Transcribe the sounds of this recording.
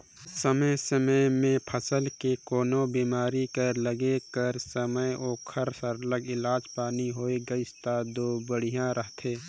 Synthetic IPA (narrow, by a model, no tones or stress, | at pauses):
səməjsəməjmẽpʰəsəlkekoːnõbiːmaːɾikəɾləɡekəɾsəməjoːkʰəɾsəɾləɡɪlaːd͡ʒpaːniɦoːeɡəɪst̪ad̪oːbəɽijãɾəɦt̪ʰeː